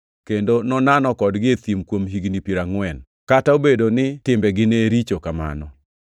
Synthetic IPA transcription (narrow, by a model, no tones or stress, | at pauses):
kendonɔnanɔkɔdɡɪet̪imkwomɦiɡnipiɾaŋwɛn | kataobedonɪtɪmbɛɡɪneɾit͡ʃokama̰nɔ